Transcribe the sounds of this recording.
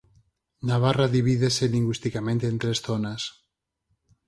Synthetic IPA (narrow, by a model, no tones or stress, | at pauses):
naβaraðiβ̞iðeseliŋɡwist̪ikamẽnt̪eːnt̪ɾesθonas